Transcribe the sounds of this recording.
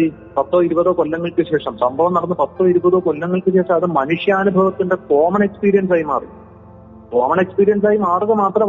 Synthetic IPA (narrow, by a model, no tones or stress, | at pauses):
i | pɐt̪ːo̞ːiɾubɐðoːkolːɐŋːɐɭkɨɕe̞ːʂɐmsɐmbʱɐʋɐmnɐɽɐnːɨpɐt̪ːoːiɾubɐðo̞ːkolːɐŋːɐɭkɨɕe̞ːʂɐɐðɨmɐnuʂjɐːnubʱɐʋɐt̪ːinde̞t̪o̞ːmɐɳe̞kspiːɾijɐns̬aːjima̰ːrij | t̪o̞ːmɐɳe̞kspiːɾijɐns̬aːjimaːruɣɐmaːt̪rɐ